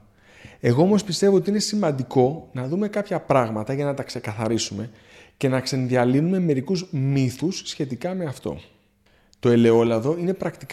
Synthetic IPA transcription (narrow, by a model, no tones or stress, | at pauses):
e̞ɣo̞o̞mo̞spist̪e̞voot̪iine̞simɐnd̪iko̞nɐðume̞kɐpçɐpɾɐɣmɐt̪ɐʝɐnɐt̪ɐkse̞kɐθɐɾisume̞ | ce̞nɐkse̞nðiɐlinume̞me̞ɾikuzmiθusːçe̞t̪ikɐme̞ɐft̪o̞̰ | t̪o̞e̞le̞o̞lɐðo̞ine̞pɾɐkt̪ik